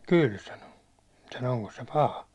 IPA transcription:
kyl sɑno sɑno oŋkos se pɑhɑ

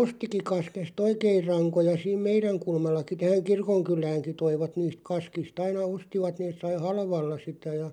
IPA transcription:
ostiki kɑskest oikeir̆ rɑŋkojɑ siːm meiræŋ kulmɑlːɑki tæhæŋ kirkoŋkylˑæːŋki toiʋɑt niːst kɑskist ɑinɑ ostiʋɑt neːs sɑi hɑlʋɑlːɑ sitæ jɑ

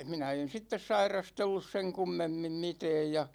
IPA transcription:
minæ en̞ sitːes sɑirɑstelːus seŋ kumːemːim mitɛːj jɑ

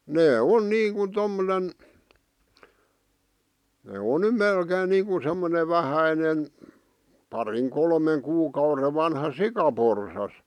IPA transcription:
neː on niːŋkun tomːonen neˑ on ny melkeːn niːŋku semːone ʋæhæinen pɑriŋ kolmeŋ kuːkɑure ʋɑnhɑ sikɑporsɑs

